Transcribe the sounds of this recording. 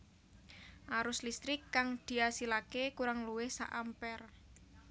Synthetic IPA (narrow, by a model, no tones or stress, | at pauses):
ʔaɾʊslist̪ɾɪkːaŋd̪̥i̤asilakekuɾaŋluwɪhsa̰ʔampɛr